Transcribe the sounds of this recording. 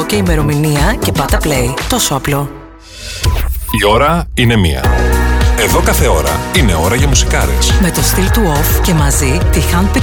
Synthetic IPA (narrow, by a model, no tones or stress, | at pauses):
oce̞ime̞ɾo̞miniɐce̞pɐt̪ɐplejt̪o̞so̞ɐplo̞ | io̞ɾɐine̞mḭɐ̰ | e̞ðo̞kɐθe̞o̞ɾɐ̰ine̞o̞ɾɐʝɐmusi̥kɐɾḛsme̞t̪o̞st̪ilt̪uofce̞mɐzit̪ixɐn̚pi